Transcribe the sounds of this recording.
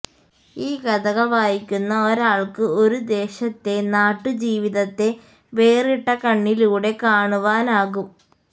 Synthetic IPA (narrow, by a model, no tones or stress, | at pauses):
iːkɐðɐɣɐʋaːjikʲːunːɐoɾaːɭkɨo̞ɾud̪e̞ːɕɐt̪ːe̞naːʈːɨd͡ʑiːʋiðɐt̪ːe̞ | ʋe̞ːriʈːɐkɐɳːiluːɽe̞kaːɳuʋaːnaːɣum